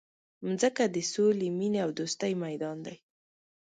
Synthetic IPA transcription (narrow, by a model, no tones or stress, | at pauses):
mzəkad̪əsolemineawd̪ost̪ajmajd̪ɑnd̪aj